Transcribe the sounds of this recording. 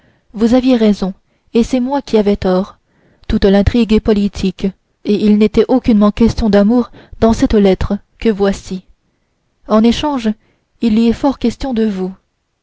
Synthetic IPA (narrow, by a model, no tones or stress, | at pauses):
vuzavjeʁɛzɔ̃ | esɛmwakʲiavɛt̪ɔːʁ | t̪ut̪lɛ̃t̪χiɡepɔlit̪ʰik | eʔilnet̪ɛʔokʲynmɑ̃kʲɛst̪jɔ̃d̪amuʁd̪ɑ̃sɛt̪lɛt̪χə | kəvwasi | ɑ̃neʃɑ̃ʒ | ilːiɛfɔʁkʲɛst̪jɔ̃d̪əvu